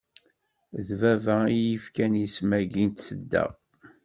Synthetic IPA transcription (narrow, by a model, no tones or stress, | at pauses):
ðvævæijifkænismæɡint̪səd̪ːæ̰ʁ